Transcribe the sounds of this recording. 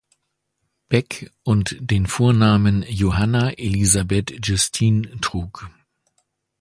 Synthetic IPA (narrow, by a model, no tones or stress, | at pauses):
b̥ɛkʔʊntd̥eːnfoːɐnaːmənjoɦanaʔelizabɛtʒʊstʰiːntʁ̥uːk